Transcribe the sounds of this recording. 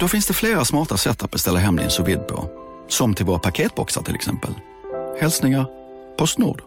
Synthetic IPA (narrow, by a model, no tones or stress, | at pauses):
d̪ofɪnsd̪ɛfleːɾasmɑːʈasɛt̪ːat̪̚bɛst̪ɛlːaɦɛmlɪ̰ə̰nsʊvɪd̪̚pʰɔ̰ | sɔmt̪ʰɪlvoːɾapʰakʰeːt̪̚bɔksa̰ʈʰɪlɛ̰ksɛ̰mpə̰l | hɛlsnɪŋaɾ | pʰɔst̪nṵːɖ̪